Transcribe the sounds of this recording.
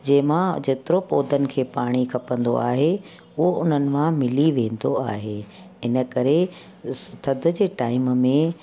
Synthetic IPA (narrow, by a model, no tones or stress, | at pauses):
d͡ʑɐ̃ɦɪmãd͡ʑeːt̪ɪɾopoːd̪ʱənɪ̆kʰeːpaːɽ̃ikʰɐpə̃nd̪o̰aːɦe | ʊɦoʊn̤ənɪ̆mãmɪliʋẽːnd̪oaːɦeː | ɪnə̆kɐɾe | st̪ʰɐd̪ʱʊ̆d͡ʑeːʈaːɪmmẽ